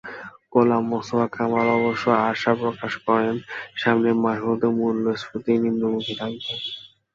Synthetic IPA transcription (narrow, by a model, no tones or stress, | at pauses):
kolamːosobakamaɾɔboʃːoaʃapɾokaʃkɔɾenʃamnemaɦud̪omuɾlosput̪ininːomukʰit̪ʰakben